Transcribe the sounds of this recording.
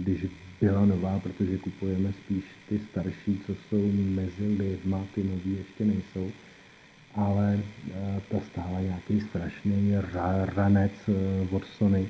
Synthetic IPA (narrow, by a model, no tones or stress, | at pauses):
ɡdɪʒbɪlano̞vaːpɾo̞t̪o̞ʒɛkupujɛmɛspiːʃt̪ɪst̪aɾʃiːt͡so̞so̞wmɛzɪlɪvmat̪ɪnoviːjɛʃcɛnɛjso̞w | ʔalɛ | t̪ast̪aːlaɲaakejst̪ɾaʃnɛjɾaɾanɛt͡svot̪sonɪ